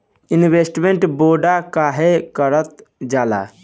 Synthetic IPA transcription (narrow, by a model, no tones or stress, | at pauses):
inbesʈmeɳʈboɖakaɦekəɾət̪d͡ʒala̰